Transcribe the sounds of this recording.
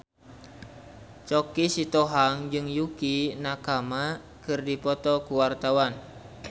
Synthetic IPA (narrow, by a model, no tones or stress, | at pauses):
t͡ʃɔkisit̪ɔɦaŋd͡ʒɨŋjukinakama | kɨrdipɔt̪ɔkuwart̪awan